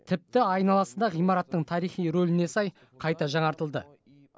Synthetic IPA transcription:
t̪ʰɪp̚t̪ɪɑjnɑlˠɑsəd̪ɑʁijmɑɾɑt̪ːəɴt̪ʰɑɾijχijɾolɪne̞sɑj | qʰɑjt̪ɑʒɑɴɑɾt̪əlˠd̪ə

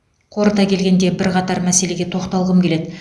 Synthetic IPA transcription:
qʰo̞ɾət̪ɑkʲʰe̞lɡʲe̞nd̪e̞bɪɾqɑt̪ɑɾmæse̞le̞ɡʲe̞t̪ʰo̞qt̪ɑlˠʁəmkʲele̞d̪ɪ

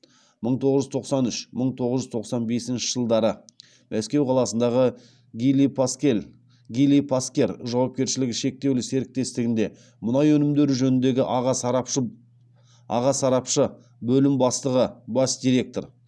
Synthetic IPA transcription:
məɴt̪ʰo̞ʁəʒʏzt̪ʰo̞qsɑnʏʃməɴt̪ʰo̞ʁəzʒʏzt̪ʰoqsɑnbe̞sɪnʃɪ̥ʒ̥əlˠd̪ɑɾə | mʔæskʲe̞wqʰɑlˠɑsənd̪ɑʁə | ɡilipe | ɡʲijlʲipʰaskʲe̞ɾʒɑwɑp̚kʲe̞ɾʃɪlɪɡʲɪʃe̞k̚t̪e̞wlɪse̞ɾɪk̚t̪e̞st̪ɪɡʲɪnd̪e | mʊnɑjwɵnɪmd̪e̞ɾʒɵnɪnd̪e̞ɡʲɪʔɑʁɑsɑpə | ɑ̰ʁɑsɑɾɑpʃə | bɵlɪmbɑst̪əʁəbɑsd̪ijɾe̞k̚t̪o̞ɾ

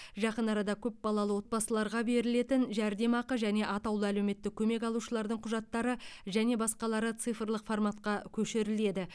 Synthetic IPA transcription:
ʒɑqənɑɾɑd̪ɑkʲʰɵp̚bɑlˠɑlˠəwo̞t̪̚pɑsəlˠɑɾʁɑbe̞ɾɪle̞t̪ɪnʒæɾd̪e̞mɑqəʒæne̞ʔɑt̪ɑwlˠəælewme̞t̪ːɪk̚kʲʰɵme̞kɑlˠuʃəlˠɑɾd̪əɴqʰʊʒɑt̪ːɑɾəʒæne̞bɑsqɑlˠɑɾət̪sɨjfrlˠəqformɑt̪qɑkʲʰɵʃeɾɪle̞d̪ɪ

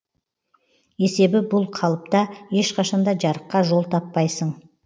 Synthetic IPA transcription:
e̞se̞bɪbʊlˠqʰɑlˠəp̚t̪ɑje̞ʃqʰɑʃɑnd̪ɑʒɑɾəqːɑʒo̞lˠt̪ʰɑpːɑjsəɴ

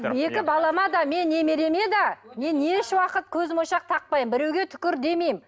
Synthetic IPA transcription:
je̞kʲɪbɑlˠɑmɑd̪ɑme̞nːe̞meɾe̞me̞d̪ɑne̞neʃwɑqət̪̚kʲʰɵzmojʃɑq̚t̪ʰɑq̚pɑjəmbɪɾe̞wɡʲe̞t̪ʰʏ̥kʲɪɾd̪e̞me̞jm

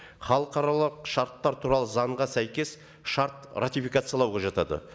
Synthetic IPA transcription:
χɑlˠəqɑɾɑlˠəqʃɑɾt̪ːɑɾt̪ʰuɾɑlˠəzɑɴʁɑsæjkʲe̞s | ʃɑɾt̪rat̪ijfijkat̪sɨjɑlˠɑwʁɑʒɑt̪ɑd̪ə̰

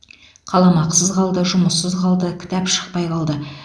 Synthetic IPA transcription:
qʰɑlˠɑmɑqsəzqɑlˠd̪əʒʊməsːəzqɑlˠd̪əkʲʰɪ̥t̪æpʃə̥q̚pɑjqɑlˠd̪ə

